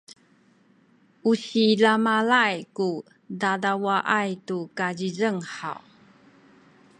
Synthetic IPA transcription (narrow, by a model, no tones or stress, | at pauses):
ʔusiɮamalajku | dadawaʔajtukazizəŋħa̰w